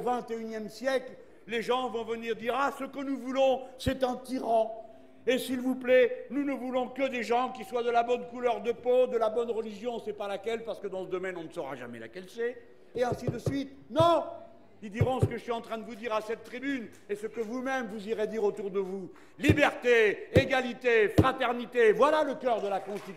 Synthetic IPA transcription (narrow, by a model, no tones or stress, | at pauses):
vɛ̃t̪eynjɛmsjɛkl | leʒɑ̃vɔ̃vəniʁd̪iʁasəkənuvulɔ̃sɛt̪ɛ̃t̪iʁɑ̃ | esilvuplɛnunəvulɔ̃kəd̪eʒɑ̃kʲiswad̪əlabɔnkulœʁd̪əpod̪əlabɔnʁəliʒjɔ̃sɛpalakʲɛlpaʁsə̥kəd̪ɑ̃səd̪ɔmɛnɔ̃nəsəʁa̰ʒa̰mɛ̰la̰kʲɛlsɛ | eɛ̃sid̪əsɥit̪ | nɔ̃ | id̪iʁɑ̃sə̥kəʒəsɥiɑ̃t̪χɛ̃d̪əvud̪iʁasɛt̪ːχibyn | esəkəvumɛmvuziʁed̪iʁot̪uʁd̪əvu | libɛʁt̪eeɡalit̪efχat̪ɛʁnit̪evwalaləkœʁd̪əlakɔ̃st̪it̪